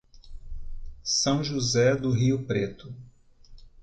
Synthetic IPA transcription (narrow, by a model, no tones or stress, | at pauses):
sɐ̃w̃ʒuzɛd̪ʊɦiʊpɾet̪ʊ